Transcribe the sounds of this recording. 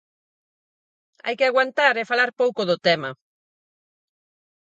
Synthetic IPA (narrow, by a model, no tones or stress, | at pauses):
a̰jkɪaɣwant̪aɾefalaɾpowkʊðʊt̪ɛmɐ